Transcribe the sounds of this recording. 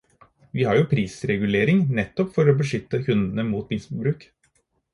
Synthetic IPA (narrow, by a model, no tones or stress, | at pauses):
ʋiːhɑɾjʊpʰɾiːsɾɛɡʉleːɾɪŋnɛt̪ːɔpfɔɾoːbəʂʏt̪ːəkʰʉnd̪n̩əmuːt̪bɪnsbɾʉːk